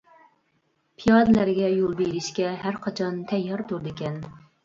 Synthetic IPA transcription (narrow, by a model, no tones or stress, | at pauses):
pʰijɑd̪ɨlæɾɡʲɛjolˠbeɾɪʃkʲɛɦæɾqʰɑt͡ʃʰɑnt̪ʰɛjːɑɾt̪ʰuɾd̪ɪkʲɛn